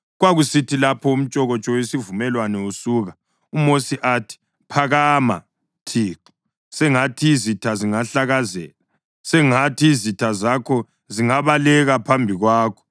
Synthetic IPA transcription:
ɣwaɣusitilapʰɔum̩t͡ʃʼɔɣɔt͡ʃʼɔwesivumɛlwanɛusuːɣa | umosiʔatʰi̥ | pʰaɣama̰ | tʰiːǃi̥ | sɛŋatʰiːzitʰaziŋaɬaɣazɛ̰ːla | sɛŋatʰiːzitʰazakʰɔ | ziŋaβalɛɣapʰambʱiɣwaːkʰɔ̥

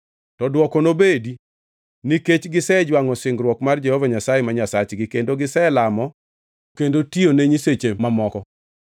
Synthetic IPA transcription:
tɔdwɔkɔnobedi | niket͡ʃɡɪsɛd͡ʒwaŋɔsɪŋɡɾwɔkmard͡ʒɛhɔvaɲasajemaɲasat͡ʃɡɪkendoɡɪsɛlamɔ | kendotioneɲiset͡ʃemamɔkɔ

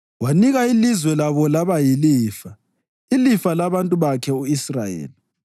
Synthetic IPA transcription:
waniɣailizwɛlaβɔlaβajiliːfa | ilifalaβantʼuβakʰɛuisra̰jḛːli

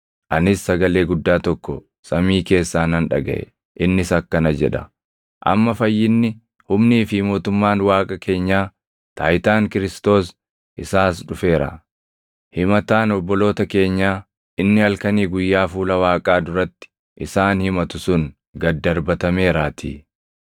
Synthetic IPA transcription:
ʔɐnɪsːɐɡɐle̞ːɡʊd̪ːaːt̪ɔkːɔ | sʼɐmiːke̞ːsːaːnɐnᶑɐɡɐ̰ʔɛ̰ | ʔɪnːɪsɐkːɐnɐd͡ʒɛ̰ᶑɐ̰ | ʔɐ̰mːɐfɐjːɪnːɪ | hʊmniːfɪmo̞ːt̪ʊmːaːnwaːkʼɐkʰe̞ːɲːaː | t̪aːjt̪aːŋkɪɾɪst̪o̞ːs | ʔɪsaːsᶑʊfe̞ːɾɐ̰ | hɪmɐt̪aːnɔbːɔlo̞ːt̪ɐke̞ːɲːaː | ʔɪnːɪhɐlkɐniːɡʊjːaːfuːlɐwaːkʼaːd̪ʊɾɐt̪ːɪ̥ | ʔɪsaːnhɪmɐt̪ʊsʊn | ɡɐd̪ːɐɾbɐt̪ɐme̞ːɾaːt̪ʰḭː

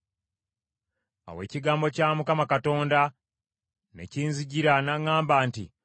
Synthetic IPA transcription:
a̰we̞̰ːciɡaːmbo̞caːmukamakato̞ːnda | ne̞̰ciːnziɟiɾanaŋaːmbaːnti

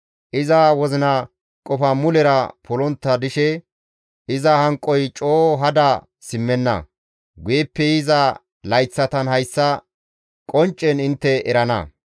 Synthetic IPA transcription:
ʔɪzɐwɔzɪnɐ | kʼɔfɐmʊlɛɾɐpʰɔlɔnt̪ːɐd̪ɪʃɛ | ɪzɐhɐŋkʼːɔjt͡ʃʼoːɦɐd̪ɐ | sɪmːɛnːɐ̰ | ɡeːpːɛjɪzɐ | lɐjt͡sːɐt̪ɐnhɐjsːɐ | kʼɔnt͡ʃʼːɛnɪnt̪ːɛʔɛɾɐnɐ̰

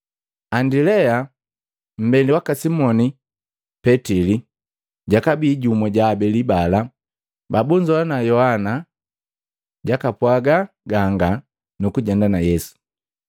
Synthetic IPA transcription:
andilɛa | m̩bɛndiwakasimɔni | pɛtili | ɟakabiːɟumwɛɟaːbɛlibala | babuɲd͡ʒɔwanajɔhana | ɟakapwaɡa | ɡaŋɡa | nukuɟɛndanajɛsu̥

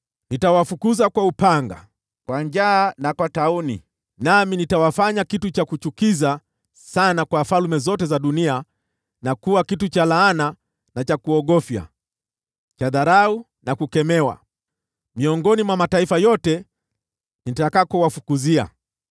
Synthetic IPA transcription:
nitawafukuzakwaupaŋɡa̰ | kwaɲd͡ʒaːnakwataunḭ | naminitawafaɲakitut͡ʃakut͡ʃukiza | sanakwafalumɛzɔtɛzaɗunia | nakuwakitut͡ʃalaana | nat͡ʃakuɔɠɔfja̰ | t͡ʃaðaɾau | nakukɛmɛwa̰ | miɔŋɡɔnimwamataifajɔtɛ | nitakakɔwafukuzia̰

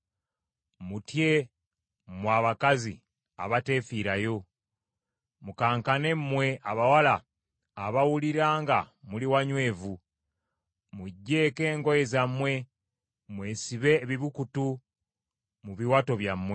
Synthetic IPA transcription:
mutje | mwaːβakazḭ | a̰βate̞fiɾajo̞ | mukaːŋkane̞mmwe̞ʔaβawalaː | βawuliɾaːŋɡamuliwaɲwe̞ːvu | muɟːe̞ːke̞ːŋɡo̞jezamwe̞ | mwe̞ːsiβe̞βiβukutu | muβiwato̞βjamːwe̞

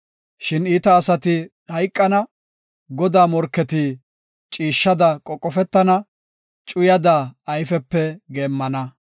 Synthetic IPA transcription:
ʃɪniːt̪ɐːsɐt̪ɪ | hɐjkʼːɐnɐ | ɡɔd̪aːmɔɾkːɛt̪ɪ | t͡ʃʼiːʃːɐd̪ɐkʼɔkʼːɔfɛt̪ːɐnɐ | t͡ʃʼʊjɐd̪aːjfɛpːɛɡeːmːɐnɐ

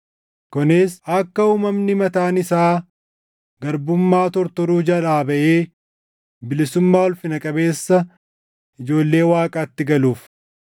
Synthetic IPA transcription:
kɔnesɐkːɐuːmɐmnɪmɐt̪aːnɪsaː | ɡɐɾbʊmːaːt̪ɔɾt̪ɔɾuːd͡ʒɐᶑaːbɐʔeː | bɪlɪsʊmːaːwɔlfɪnɐkʼɐbe̞ːsːɐ | ʔɪd͡ʒo̞ːlːe̞ːwaːkʼaːt̪ːɪɡɐluːf

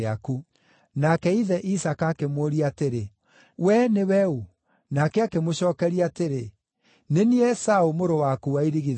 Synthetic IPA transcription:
aku | nakɛiðɛʔisakakemwoɾiateɾe | wɛnewɛu | nakɛakemoɕɔːkɛɾiateɾe | neniɛsaomoɾowakuwaiɾiɣið

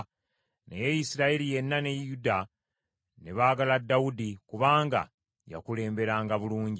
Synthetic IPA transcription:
nḛjejisiɾaelije̞nːane̞juda | ne̞βaːɡaladːawudikuβaːŋɡa̰ | ja̰kule̞ːmbe̞ɾaːŋɡaβuluːɲɟi

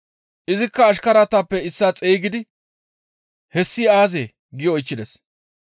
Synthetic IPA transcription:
ʔɪzɪkːɐːʃkɐɾat̪apːɛɪsːaːt͡sʼeːɡɪd̪ɪ | hɛsːɪaːzeː | ɡɪjɔɔjt͡ʃːɪd̪ɛs

